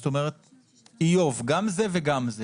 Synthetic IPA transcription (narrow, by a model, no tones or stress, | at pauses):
t̪o̞me̞ʁet̪̚ | ijo̞vɡamze̞veɡamze